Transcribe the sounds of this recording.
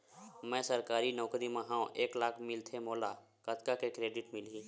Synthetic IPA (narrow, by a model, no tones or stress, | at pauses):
mɛ̃ːsəɾkaːɾinɔːkɾiməɦãõʔeːklaːkʰmɪlt̪ʰemoːla | kət̪kakekɾeːɖɪʈmɪliː